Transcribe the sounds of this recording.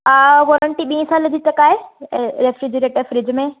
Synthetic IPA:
aʋoːɾəɳʈiɓĩːə̃saːld͡ʑiːt͡ɕɐkaːɦeɾefɾɪd͡ʑəɾeːʈefɾɪd͡ʑmẽ

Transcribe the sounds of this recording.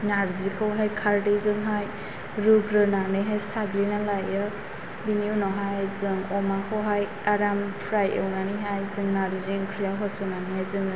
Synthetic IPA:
naɾzikʰawɦajkʰaɾdizɯŋɦaj | ɾuɡɾɯnanɯjɦajsaɡlinalajɯ | biniunɔɦajzɯŋɔmakʰɔwɦaj | aɾampʰɾajewnaniɦajzɯŋnaɾziŋkʰɾijaɦɔsɔnanihajzɯŋɯ

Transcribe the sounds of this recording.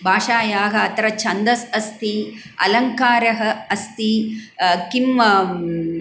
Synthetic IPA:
bʱaːʂaːjaːɦɐɐt̪ɐɾɐt͡ʃʰɐnd̪ɐsɐst̪iɐ̰lɐŋkaːɾɐɦɐ̆ɐst̪i | kim

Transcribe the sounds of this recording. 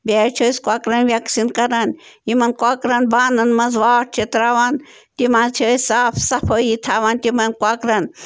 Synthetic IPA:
bʲeːt͡ʃʰoːskʷakɾɐnʋjɐksinkɐɾɐn | imɐnkʷakɾɐnbaːnɐnmɐzʋaːʈ̚t͡ʃʰet̪ɾaːʋan | t̪imaːnt͡ʃʰəːsaːfʰsɐpʰojit̪ʰaːʋaːnt̪imɐnkwakɾɐn

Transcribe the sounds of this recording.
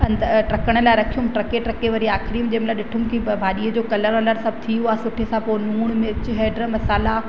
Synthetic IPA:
ɐ̃nd̪ʈɐkəɽ̃ə̆laːɪɾɐkʰijũmʈɾɐkeʈɾɐkeʋɐɾiaːxɪɾimd͡ʑɐɦmlaɗɪʈʰumkibʱaːɗiːəd͡ʑoːkɐləɾɔːləɾsɐb̚ʱt̪ʰiuaːsʊʈʰesãpoːnuːɽ̃met͡ɕʊɦeːɖɾəmɐsaːla

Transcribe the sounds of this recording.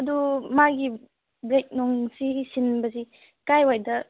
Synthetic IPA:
ɐdumaɡi | bɾek̚nɔŋsisinbɐsi | kajwajdɐ

